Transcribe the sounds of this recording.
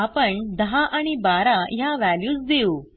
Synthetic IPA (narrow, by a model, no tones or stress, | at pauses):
apəɳd̪əɦaʔaɽ̃ibaɾajaʋæljuːsd̪eu